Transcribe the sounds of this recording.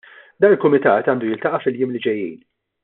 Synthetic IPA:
d̪ɐːnɪlkʊmɪt̪ɐ̰ːt̪ɐːnd̪ujɪlt̪ɐʔɐfɪljɪːmlɪd͡ʒɛjːḭːn

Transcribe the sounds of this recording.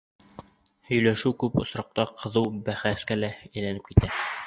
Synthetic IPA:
hɵ̆jlæʃɘwkʉpŏsɾɑq̚t̪ɑqʰɤ̆ðɤwbæχæskælææjlænɘp̚kit̪æ

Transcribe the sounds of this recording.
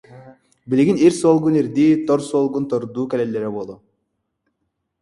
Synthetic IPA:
bilʲiɡiniɾsuolˠɡuniɾd̪iːt̪oɾsuolˠɡunt̪oɾd̪uːkɛlelːeɾɛbolˠu

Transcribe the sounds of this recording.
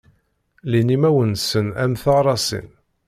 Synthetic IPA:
linimæwənsənæ̰mθɑʁɾˤɑsḭn

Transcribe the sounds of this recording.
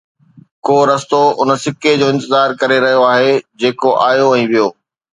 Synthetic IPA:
koːɾɐst̪oʊnə̆sɪked͡ʑoːɪ̃nt̪ɪzaːɾkɐɾeɾɐɦijoaːɦed͡ʑeːkoʔaːjoɛ̃ːʋijoː

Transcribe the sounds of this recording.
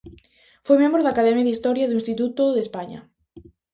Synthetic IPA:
fojmẽmbɾoðakaðɛmjaðist̪ɔɾjɐðuĩnst̪it̪ut̪oðespaɲɐ̰

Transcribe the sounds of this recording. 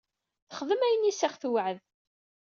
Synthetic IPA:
θəχəðəmæjənːisæχθwʕəð

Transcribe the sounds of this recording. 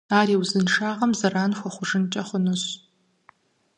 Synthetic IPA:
aːɾiːwzɨnʂaːʁɐmzɐraːnxʷɔχʷʊʐɨnt͡ʃʼɐχʷʊnuɕ

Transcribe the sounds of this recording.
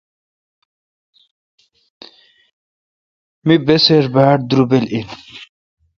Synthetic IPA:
mibeseɾbaːʈd̪uɾubelin

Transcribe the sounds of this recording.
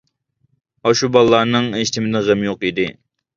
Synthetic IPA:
ɑʃubɑlˠːɑːnɨŋeʃt̪ʰɪmɪd̪ɛʁɛmjoqid̪ɪ

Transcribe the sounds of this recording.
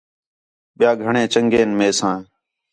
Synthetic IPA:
ɓɪjaːɡʱəɳẽːt͡ʃəŋɡeːnmeːsãː

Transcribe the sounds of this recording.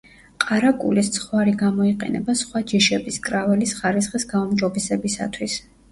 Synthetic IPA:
qʼaɾakʼṵlist̪sʰχwaɾiɡamɔiqʼɛ̰nɛ̰basχwad͡ʒiʃɛbiskʼɾavɛlisχaɾisχisɡaumd͡ʒɔbɛsɛbisa̰t̪ʰwis

